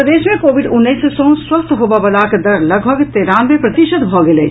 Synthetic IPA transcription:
ɾəd̪eːʃmẽkoːʋɪɖʊnːəissɔ̃ːswɐst̪ʰɦoːbabɐlaːkd̪ɐɾlɐɡbəɡt̪eːɾaːnʋẽpɾɐt̪ɪʃəd̪bʱɔːɡelḛː

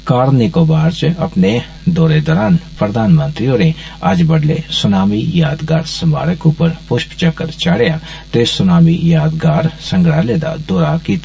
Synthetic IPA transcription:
kaːɾnɪkoːbaːɾt͡ʃɐpne | d̪oːɾed̪ɔːɾaːnpɾəd̪ʱaːnmə̃nt̪ɾijõːneaːd͡ʒbəɽlesʊnaːmijaːd̪ɡaːɾsəmaːɾəkõpəɾpʊʃpt͡ʃəkːəɾt͡ʃaːɽjaː | t̪eːsʊnaːmijaːd̪ɡaːɾsɐ̃ŋɡɽaleːd̪a̰d̪oːɾakiːt̪

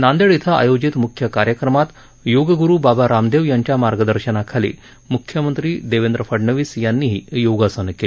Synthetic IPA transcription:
nand̪eɭit̪ʰaʔa̰jod͡ʑit̪mukʰjəkaɾjəkɾəmat̪ | joɡəɡuɾuːbabaɾamd̪eʋjaɲt͡ɕjamaɾɡəd̪əɾɕənakʰalḭː | mukʰːjəmənt̪ɾiːd̪eʋend̪ɾəfəɖɳəʋiːsjanːiːɦiːjoɡasənəkel

